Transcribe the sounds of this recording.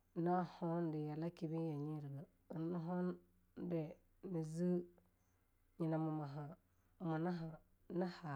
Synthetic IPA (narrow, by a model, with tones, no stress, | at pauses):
na˦ho˦n˦di˨ja˨la˦ki˨bi˦ja˨ɲi˦ɾɡa˨ | i˨n˦u˦ɦo˦n˦ | de˨ | ni˨zi˦ | ɲi˨na˨mu˨ma˨ɦa˨ | mu˨na˦a˨ | na˦ha˨